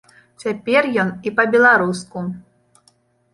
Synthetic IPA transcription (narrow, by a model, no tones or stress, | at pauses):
t͡sʲapʲɛrjɔnipɐbʲɛlˠaɾusku